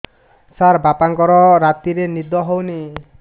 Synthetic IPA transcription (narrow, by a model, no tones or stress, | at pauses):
saɾbapaŋkɔɾɔɾat̪iɾenid̪ɔɦowni